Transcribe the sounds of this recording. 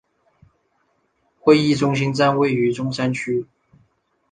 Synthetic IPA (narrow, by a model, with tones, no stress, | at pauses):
xwe˥˧ɪi˥˩ʈ͡ʂʊ˥ŋɕ̬i˥ŋt͡sa˥nwe˥˩ɪy˧˥ʈ͡ʂʊ˥ŋʂa˥nt͡ɕʰy˥